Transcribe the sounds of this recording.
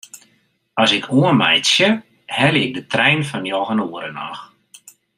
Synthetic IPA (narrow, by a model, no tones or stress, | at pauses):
ɔsɪkʰuənmɛjtsjə | hɛljɪk̚dətrɛjnfɔnjɔɣənuəɾəna̰x